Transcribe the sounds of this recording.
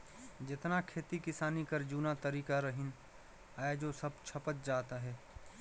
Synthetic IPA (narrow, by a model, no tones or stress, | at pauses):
d͡ʒɪt̪nakʰeːt̪ikɪsaːnikɐɾd͡ʒuːnat̪əɾiːkaɾɐɦɪn | aːed͡ʒosɐb̚t͡ʃʰɐpət̪̚d͡ʒaːt̪aɦɛː